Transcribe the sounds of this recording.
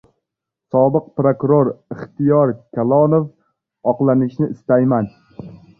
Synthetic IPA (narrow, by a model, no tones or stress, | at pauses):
sɒbɨq̚pɾokuɾoɾɪχt̪ɪjɒɾkʲʰalˠɒnof | ɒqlˠanɪʃnɪʔɪst̪ajman